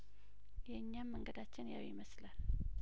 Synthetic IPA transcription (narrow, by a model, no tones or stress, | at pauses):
jɛɨɲːamːəŋɡəd̪at͡ʃːɪnjawjɪməslal